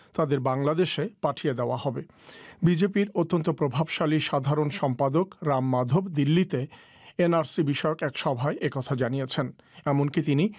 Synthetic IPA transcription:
t̪ad̪eɾbaŋlad̪eʃepaʈʰied̪eoahɔbe | bid͡ʑepiɾot̪ːont̪opɾobʱabʃaliʃad̪ʱaɾonʃɔmpad̪okɾamːad̪ʱobd̪ilːit̪e | enaɾsibiʃɔeokɛkʃɔbʱaeʔekɔt̪ʰad͡ʑanijet͡ɕʰen | ɛmonkit̪ini

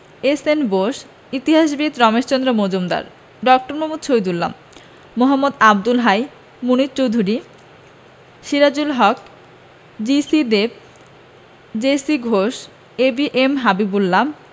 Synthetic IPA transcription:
esenboʃ | it̪iɦaʃ̬bit̪ɾɔmeʃt͡ɕond̪ɾamod͡ʑomd̪a̰ɾ | ɖɔk̚ʈoɾmomud̪t͡ɕʰojd̪ulːa̰mː | oɦamːod̪ab̚d̪ulɦaj | munit̪̚t͡ɕowd̪ʱuɾi | ʃiɾad͡ʑulɦɔk | d͡ʑisid̪eb̚ | d͡ʑesiɡʱoʃ | ebiʔemɦabibulːam

